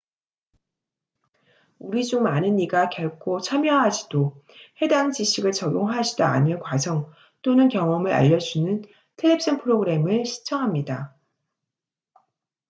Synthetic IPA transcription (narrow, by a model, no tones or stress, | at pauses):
uɾid͡ʑuŋmanɯniɡakjʌɭkʰot͡ɕʰamjʌɦad͡ʑid̥ohe̞daŋt͡ɕiɕʰiɡɯɭt͡ɕʌɡoŋɦaɕʰidaa̰ɲiɭkwad͡ʑʌŋ | t͈onɯnkjʌŋʌmɯɾa̰ʎːʌd͡ʑunɯn | tʰeɭːepid͡ʑʰʌnpʰɯɾoɡɯɾe̞mɯɭɕʰi̥t͡ɕʰʌŋɦamɲida